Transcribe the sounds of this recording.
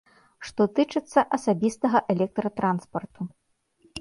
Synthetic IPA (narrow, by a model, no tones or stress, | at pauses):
ʂt̪ɔt̪ɨt͡ʂɨt̪sːɐʔɐsabʲist̪ɐɣɐʔɛlʲɛk̚t̪ɾɐt̪ɾanspɐrt̪u